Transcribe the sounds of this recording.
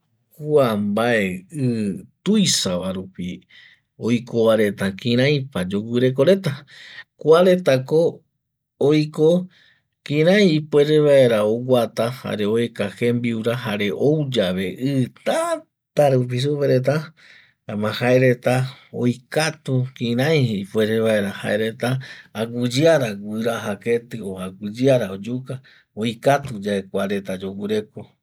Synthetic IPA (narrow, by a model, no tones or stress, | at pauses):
kuambaeɨt̪ujsaβaɾupi | o̞jkoβaɾe̞t̪akĩɾ̃ãjpad͡ʒo̞ɡʷɨɾe̞k̬o̞ɾe̞t̪akuaɾe̞t̪ako̞ː | jko | kĩɾãjpwe̞ɾe̞βae̞ɾaoɡʷat̪aha̰ɾe̞oekahe̞mbiuɾaɦaɾe̞ʔowd͡ʒaʋe̞ʔɨt̪a | t̪aɾup̬is̬upeɾe̞t̪̬a | amãhaeɾe̞t̪ao̰jkat̪ukĩɾãj̃heipwe̞ɾeβae̞ɾaha̰eɾe̞t̪aːɡɨd͡ʒaɾaɡʷɨɾaɦaket̪ɨoaɡʷɨd͡ʒɨaɾaod͡ʒuka | ojkat̪ud͡ʒaekʷaɾe̞t̪ad͡ʒoɡɨɾe̞ko